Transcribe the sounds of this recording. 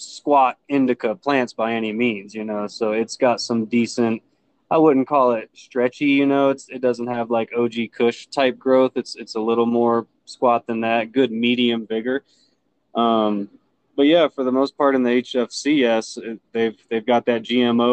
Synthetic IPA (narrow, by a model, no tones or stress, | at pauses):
skwɑɾɪ̃ndɨkʰəpʰl̥æ̃ntsb̥aɪɛnimĩnzjɨnoʊsoʊɨtsɡ̥ɑtsʌ̃mdisɨ̃nt̚ | aɪwʊdⁿn̩kʰɔlˠɪt̚stɹ̥ɛt͡ʃijɨnoʊɨtsɨt̚d̥ʌzɨ̃n̩t̚ɦɨvlaɪkoʊd͡ʒikʰʊʃtʰaɪp̚ɡ̥ɹoʊθɨtsɨtsəlɪɾl̩ˠmɔɹ | skwɑt̪̚ðɨ̃nðæt̚ɡ̥ʊd̚miɾiɨ̃ɱvɪɡə˞ | ʔʌ̃m | b̥ʌt̚jæfə˞ðəmoʊspʰɑɹɾɨ̃n̩ðieɪt͡ʃɛfsiɛsɪðeɪvðeɪvɡɑt̪̚ðɨt̚d̥ʒ̥iɛ̃moʊ